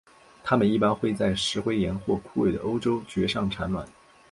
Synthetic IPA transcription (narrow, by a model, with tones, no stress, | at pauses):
t̪ʰa˥mə˨ni˥˩pa˥nxwe˥˧ɪt͡sa˥˩ɪʂɻ̩˧˥xwe˥ɪjɛ˧˥nxwɔ˥˧kʰu˥˩we˥˩ɪd̪ə̰˩ʔo˥ʊʈ͡ʂo˥ʊt͡ɕɥɛ˧˥ʂɑ˥˩ŋʈ͡ʂʰa˧˥nlwa̰˨˩˦n